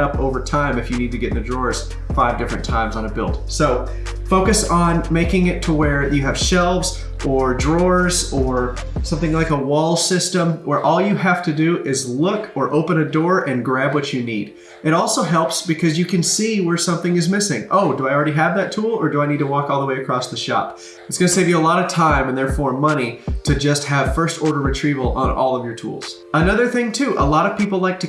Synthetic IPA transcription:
ɾʌpoʊvə˞tʰãɪ̃mɨfjɨnid̚tʰɨɡɛɾ̃n̩ðɨdɹɔɹz̥ | faɪvdɪfɹɨ̃ntʰãɪ̃mzn̩ɨbɪ̰lˠt̚soʊ | foʊkɨsn̩meɪkɪ̃ŋɪtʰəwə˞jɨɨv̥ʃɛlˠvz̥ | ʔə˞dɹɔ˞z̥ə˞ | sʌ̃mθɪ̃ŋlaɪkəwɔlˠsɪstə̃mwə˞ʔɔlˠjɨhæftʰɨdɨʔɪzlʊkə˞ʔoʊpɨ̃nɨdɔɹɨ̃nɡɹæbwʌt͡ʃɨniɾ | ʔɨɾɔlˠsoʊɦɛlˠpsb̥ɨkʰʌzjɨkɨ̃nsiwə˞sʌ̃mθɪ̃ŋɨzmɪsɪ̃ŋʔoʊdəaɪl̩ˠɹɛɾiɨvðɨtʰulˠə˞dɨaɪnid̚tʰəwɔkɔlˠðəweɪɨkʰɹ̥ɔsðɨʃɑ̰p | ɨtsɡ̥ʌnɨseɪvjɨəlɔɾʌv̥tʰãɪ̃mɨ̃nðɛ˞fɔɹmʌñiɾɨd͡ʒʌst̚ɦɨv̥fɜ˞stɔɹɾə˞ɹɨtʰɹ̥ivl̩ˠə̰̃nɔ̰lˠʌvjə˞tʰṵlˠz̥ | ənʌðə˞θɪ̃ŋtʰʉʔə̰lɔɾʌv̥pipl̩ˠlaɪk̚tʰɨ

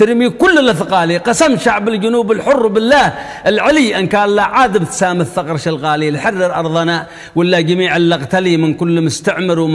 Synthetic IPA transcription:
t̪ɪɾmikʊlːɪlʔaθqɑːliqɑsamʃaʕbɪld͡ʒʊnuːbɪlħʊrːbɪlːaːh | ʔɪlʕaliʔɪnkaːlːaʕaːd̪ɪbɪt̪saːmɪθːɑqɾˤʃɪlqɑːlilħarːɪɾʔɑɾˤðˤɑnaʔ | wɪlːad͡ʒamiːʕɪlːɑqt̪alimɪnkʊlːmʊst̪aʕmɪɾwm

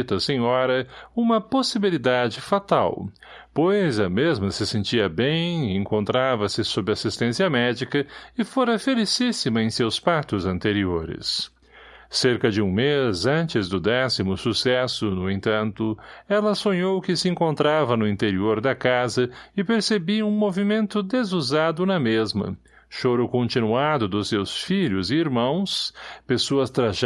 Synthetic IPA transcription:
t̪ɐsẽɲɔɾɐũmɐposibilid̪ad͡ʒɪfat̪a̰w | pojzɐmezmɐsɪsẽnt͡ʃiɐbẽj̃ẽŋkõnt̪ɾavɐsɪsobɾɪasist̪ẽsiɐmɛd͡ʒikɐɪfoɾɐfelisisimɐẽj̃sewspat̪ʊzɐ̃nt̪eɾioɾɪ̰sː | eɾkɐd͡ʒɪũmezɐ̃nt͡ʃɪzd̪ʊd̪ɛsimʊsusɛsʊnʊẽñt̪ɐ̃nt̪ʊɛlɐsõɲowkɪsɪẽŋkõnt̪ɾavɐnʊĩnt̪eɾioɾd̪ɐkazɐɪpeɾsebiũmovimẽnt̪ʊd̪ezuzad̪ʊnɐmezmɐ̰ | ʃoɾʊkõnt͡ʃinuad̪ʊd̪ʊsewsfiʎʊzɪːɾmɐ̃w̃spesoɐst̪ɾaʒ

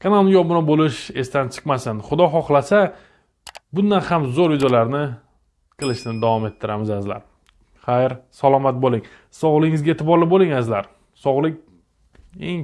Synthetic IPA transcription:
kʰanalˠnɪjɒbʊnɪbolɪʃe̞st̪ant͡ʃʰɪ̥qmasɪnχʊd̪ɒɦɒχlˠasa | bʊnd̪anhamzoɾjɪd̪alaɾnɪ | qʰɨlˠɪʃnɪd̪avɒme̞t̪ʰːɪɾamɪzazla̰ɾ | χajɾsalˠɒmat̪̚bolɪŋ | sɒʁlˠɪŋɪzɡʲaet̪ʰɪbɒɾlɪbolɪŋazlaɾ | sɒʁlˠɪk̚ʲ | eŋ

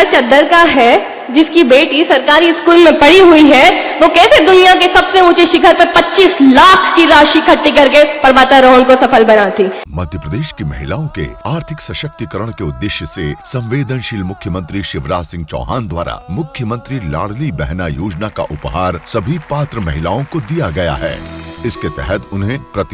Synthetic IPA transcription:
ɾt͡ʃɐd̪əɾkaɦɛ | d͡ʒɪskibeːʈisɐɾkaːɾiɪskuːlmẽpɐɽiɦʊiɦɛʋokɛːsed̪ʊnijakesɐbseũːt͡ʃeʃɪkʰəɾpepɐtːt͡ʃiːslaːkʰkiɾaːʃikʰɐʈːikɐɾkepɐɾʋaːt̪aɾoɦnkosɐfəlbɐnat̪iːmɐd̪ʱjəpɾəd̪eːʃkemɐɦɪlaːõkḛaːɾt̪ʰɪksɐʃək̚t̪ikɐɾəɽ̃keʊd̪ːɪʃjəsesɐ̃mʋeːd̪ənʃɪlmʊkʰjəmə̃nt̪ɾiʃɪʋɾaːsɪ̃ŋɡ̚t͡ʃɔ̰ːɦa̰ːnd̪wa̰ːɾa̰mʊkʰːjəmə̃nt̪ɾila̰ːɽlibɛɦnajoːd͡ʒnaka̰ʔʊpɦaːɾsɐbʱipaːt̪ɾəmɐɦɪlaːõkod̪ijaɡɐja̰ɦɛ̰ːɪsket̪ɛ̰ɦɛt̪ʊnɦẽpɾɐt̪

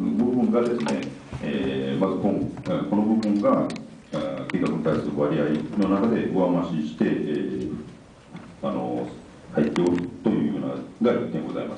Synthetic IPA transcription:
ɯ̟̃bɯ̟̃bɯ̟̃ŋɡad̪e̞sɨne̞emazɨkõ̞ŋko̞no̞bɯ̟bɯ̃ŋɡa | keːkːakɯ̟nit̪aisɨoβaɾʲiaino̞nakad̪e̞oamaɕiɕi̥t̪e̞eː | ano̞ | hait̪ːe̞oɾɯ̟t̪o̞jɯ̟ːjoːnaɡait̪ːẽŋɡo̞d̪a̰ɾimas

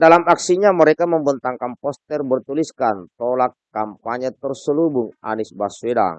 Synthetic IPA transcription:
dalamaksiɲaməɾekaməmbənt̪aŋkanpɔst̪ɛrbərt̪uliskant̪olakːampaɲat̪ərsəlubʊŋa̰nisbasweda̰ŋ

